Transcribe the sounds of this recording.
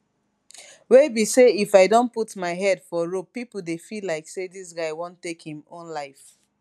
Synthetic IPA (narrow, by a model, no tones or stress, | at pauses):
webiseifaɪdõnputmaɪɦɛdfɔɹopːipl̩ˠdefilaɪksedis̬ɡaɪwõntːekhĩmõnlaɪf